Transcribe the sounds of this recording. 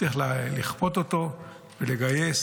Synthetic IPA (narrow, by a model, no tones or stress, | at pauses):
iχlaliχpo̞t̪ot̪o̞ | vele̞ɡaje̞s